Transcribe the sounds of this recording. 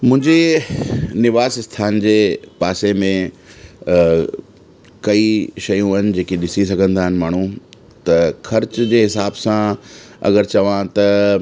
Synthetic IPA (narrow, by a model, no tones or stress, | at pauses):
mʊ̃ɦɪ̃ɲd͡ʑe | nɪʋaːsst̪ʰaːnd͡ʑeːpaːsemẽ | kɐiʃɐjũaːɦɪnɪ̆d͡ʑeːkeɗɪsis̬ɐɡʱə̃nd̪aːɦɪnɪ̆maːɳ̤ũ | t̪ɐxʰɐɾt͡ɕd͡ʑeːɦɪsaːbsãɐ̰ɡəɾt͡ɕɐʋãt̪ɐ